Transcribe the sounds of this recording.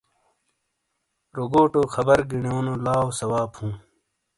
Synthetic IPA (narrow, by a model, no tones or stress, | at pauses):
ɾoɡoːʈoːxʰɐbɐɾɡiɳjoːnolaːosɐwaːbhũː